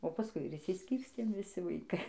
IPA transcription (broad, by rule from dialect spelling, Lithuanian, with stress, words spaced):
oː pɐˈskʊɪ ɪr ɪʃʲsʲɪsʲˈkʲiːrʲsʲtʲeːm ʋʲɪˈsʲɪ ʋɐɪˈkɐɪ